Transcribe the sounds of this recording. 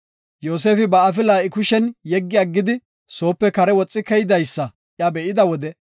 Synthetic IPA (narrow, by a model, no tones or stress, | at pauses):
jo̞ːs̬e̞ːfɪbɐːfɪlaːʔɪkʊʃɛnjɛɡːɪɐɡːɪd̪ɪ | so̞ːpːɛkɐɾɛwɔt͡sʼːɪkɛjɪd̪ɐjsːɐ | ʔjabɛʔɪd̪ɐwɔd̪ɛ